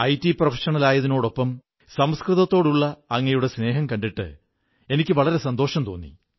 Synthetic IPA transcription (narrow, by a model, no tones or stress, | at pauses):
ɐjtːiprɐfɐ̥ʂɐɳɐlaːjɐðino̞ːɽo̞pːɐm | sɐmskrɨðɐt̪ːo̞ːɽuɭːɐːŋːɐjuɽe̞sne̞ːɦɐmkɐɳɖiʈːɨ̰ | e̞nikʲːɨʋɐɭɐɾe̞sɐnd̪o̞ːʂɐmt̪oːnːḭ